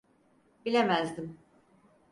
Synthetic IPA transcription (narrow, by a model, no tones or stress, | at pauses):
bilʲemæzd̪im